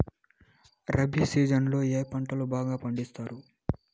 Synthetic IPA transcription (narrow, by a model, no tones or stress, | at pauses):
ɾɐbʱiːsiːd͡ʒɐnlo̞ːjeːjpɐɳʈɐlubaːɡaːpɐɳɖist̪aːɾu